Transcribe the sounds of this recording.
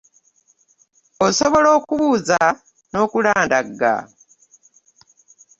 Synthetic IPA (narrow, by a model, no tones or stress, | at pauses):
oso̞βo̞lo̞ːkuβuːza | no̞ːkulaːndaɡa̰